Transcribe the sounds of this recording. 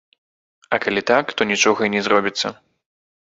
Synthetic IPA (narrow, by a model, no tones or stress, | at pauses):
ɐkalʲit̪akt̪ɔnʲit͡ʂɔɣɐinʲɛzrɔbʲit̪sːɐ